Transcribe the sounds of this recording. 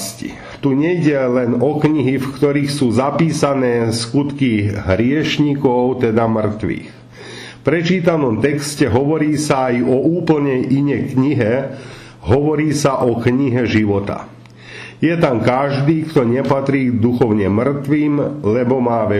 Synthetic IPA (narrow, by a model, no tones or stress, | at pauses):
scḭ | t̪uɲɛjɟɛlɛnɔkɲiɦifkt̪ɔɾiːxsuːzapiːsanɛːskut̪kiɦɾɪɛʃɲikɔʊt̪ɛd̪amr̩t̪ʋḭːx | fpɾɛt͡ʃiːt̪anɔmt̪ɛkscɛɦɔʋɔɾiːsaːjɔuːpl̩ɲɛjʔiɲɛjkɲiɦɛ | ɦɔʋɔɾiːsaʔɔkɲiɦɛʒiʋɔt̪a̰ | jɛt̪amkaʒd̪iːkt̪ɔɲɛpat̪ɾiːd̪uxɔʊɲɛmr̩t̪ʋiːmlɛbɔmaːʋɛ